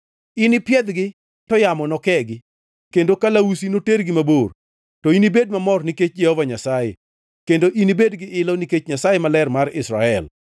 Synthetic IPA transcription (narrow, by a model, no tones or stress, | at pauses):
inɪpjɛd̪ɡɪ | tɔjamɔnɔkɛɡɪ | kendokalausinoteɾɡɪmabor | tɔinibed̚mamɔrniket͡ʃd͡ʒɛhovaɲasajḛ | kendoʔinibedɡɪʔɪlɔniket͡ʃɲasajemalɛrmaɾɪsɾa̰ɛl